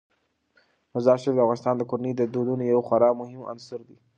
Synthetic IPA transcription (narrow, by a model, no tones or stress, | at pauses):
mʊzɑʃɪfd̪əafɣɑnɪst̪ɑːnd̪əkoɾanid̪əd̪od̪unojawxaɾɑmʊhɪma̰nsʊɾd̪i